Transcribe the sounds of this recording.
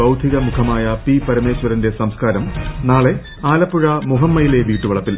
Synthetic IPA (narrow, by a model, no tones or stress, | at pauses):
ɐwd̪ʱiɣɐmukʰɐmaːjɐpipɐɾɐme̞ːɕʋɐɾɐnde̞sɐmskaːɾɐmnaːɭe̞ | aːlɐpːuɻɐmuɦɐmːɐjile̞ʋiːʈːuʋɐɭɐpːil